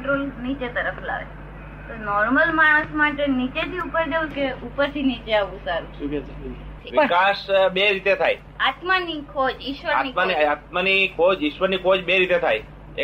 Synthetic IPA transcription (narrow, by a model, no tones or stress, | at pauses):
ʈɾolnit͡ʃet̪əɾəfla̰ʋḛ | t̪onɔɾməlmaɽ̃əsmaʈenit͡ʃet̪ʰiupəɾd͡ʒeʋũkeupəɾt̪ʰinit͡ʃeaʋũsaɾu | ʋɪkasɓeɾit̪et̪ʰaj | at̪manikʰod͡ʒɪʃʋəɾanimaniat̪̚manikʰod͡ʒɪʃʋəɾnikʰod͡ʒɓeɾit̪et̪ʰaj